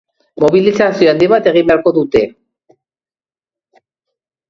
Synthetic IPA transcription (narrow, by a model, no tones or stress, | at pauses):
mo̞βilisasioand̪iβat̪e̞ɣ̞imbeaɾko̞ðut̪e̞